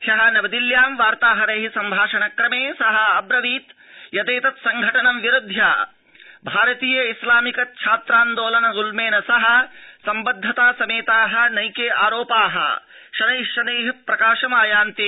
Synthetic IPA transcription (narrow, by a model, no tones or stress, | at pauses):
ʃɐɦɐ̆nɐbɐd̪iljaːmʋaːɾt̪aːɦɐɾeːɦisɐmbʱaːʂɐnɐkɾɐmeːsɐɦɐ̆ɐbɾɐʋiːt̪ | jɐt̪eːt̪ɐt̪sɐŋɡʱɐʈɐnɐmʋjiɾud̪ʱjaː | bʱaːɾɐt̪iːjɐislaːmikɐt̪̚t͡ʃʰaːt̪ɾaːnd̪oːlɐnɐzulmeːnɐsɐɦɐ̆sɐmbɐd̪ʱːɐt̪aːsɐmeːt̪aːɦɐ̆nɐjkeːʔaːɾoːpaːɦɐ̰ | ʃɐnɐjʃɐneːɦipɾɐkaːʂɐmaːjaːnt̪i